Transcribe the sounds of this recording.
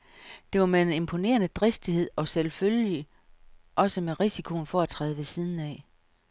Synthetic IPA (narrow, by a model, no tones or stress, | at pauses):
d̥e̝ʋɑ̈meene̝mpʰo̝ne̝̰ːɐnəd̥ʁesd̥ihe̝ð̞̰ˠɒ̽selfølji | ʔɒ̽səmeʁisikʰo̝nfɒ̽æt͡sʰʁɛ̰ːð̞ˠəʋe̝siðˠn̩ɛ